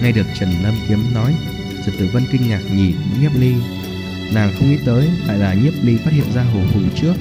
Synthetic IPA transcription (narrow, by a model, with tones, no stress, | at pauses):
ŋa˧jɗɨ˨˩ək̚t͡ɕə˨˩nlə˧mʔi˨˦əmnɔ˨˦j | zi˨˩t̪ɨ̰˧˩və˧nkï˧ŋ̟ɲaː˨˩k̚ɲi˨˩˨ŋɲi˦˥əp̚li˧ | naː˨˩ŋxə˧wŋ͡mʔḭ˧˦˥t̪əː˨˦jla̰ː˧˨jlaː˨˩ɲi˦˥əp̚li˧faː˦˥t̚hḭ˧˨ənzaː˧ɦo˨˩fṵ˧˩t͡ɕɨ˦˥ək̚